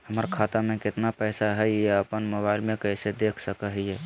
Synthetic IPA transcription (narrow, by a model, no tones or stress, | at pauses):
həməɾkʰat̪amekɪt̪napəjsaɦɛeəpənmoβaɪilmekəɦsed̪ekʰsəkəɦje